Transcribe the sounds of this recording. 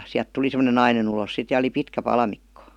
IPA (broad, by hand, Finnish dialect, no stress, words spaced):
siæl̆t tuli semə̆nen nɑinen ulos sit jɑ oli pitkæ pɑlɑmikːo